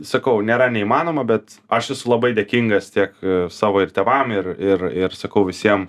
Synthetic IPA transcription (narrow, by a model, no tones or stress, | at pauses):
sɐkɐʊnʲeːɾɐnʲɛimɑːnoːmɐbʲɛt̪ɐʃjɛsʊlˠɐbɐɪd̪ʲeːkʲiŋɡɐst̪ʲiɛksɑːʋoːɪɾtʲeɛʋɐmɪɾɪrɪɾsɐkɐʊʋʲɪsʲiɛm